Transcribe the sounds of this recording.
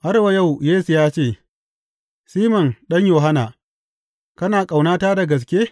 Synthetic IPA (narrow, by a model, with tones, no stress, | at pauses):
ʔa˦ɾwa˨ja˦˨wjeː˦su˨jaː˦t͡ʃeː˦˨ | siː˦mɔ˨nɗɐ˦ɲjoː˨ɦa˦na̰ː˨ | kɐ˦naː˨kʼa˨wnaː˦taː˦da˨ɡɐ˨s̬kʲeː˦